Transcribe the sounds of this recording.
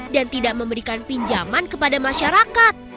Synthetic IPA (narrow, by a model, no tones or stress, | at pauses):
dant̪idaʔməmbəɾikanpiɲd͡ʒamankəpadamaʃaɾakat̪̚